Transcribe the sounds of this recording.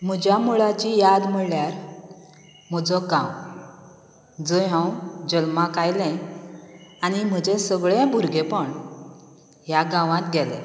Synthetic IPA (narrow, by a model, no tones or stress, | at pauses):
m̤əd͡ʑamuɭat͡ɕijad̪m̤əɭljaɾ | m̤ɔd͡zɔɡãw | d͡zəɦãwd͡ʑəlmãkajlɛ̃ | añim̤əd͡ʑesəɡɭebʱuɾɡepəɳ | jaɡãʋãt̪ɡɛlɛ̰̃